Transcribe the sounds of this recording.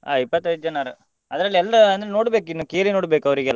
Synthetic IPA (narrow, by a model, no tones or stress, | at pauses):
a̰ɐjpːɐt̪ːɐj̪d͡ʒɐnaɾɯ | ɐd̪ɐɾɐlːiɛlːɐɾɐɐnd̪ɾenoːɽbeːkinːukeːlinoːɽbeːkɐʋɐɾiɡɛlː